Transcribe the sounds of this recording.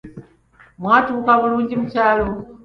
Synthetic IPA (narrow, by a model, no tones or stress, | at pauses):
mwatʰuukamulund͡ʒim̩t͡ʃʰaːlɔ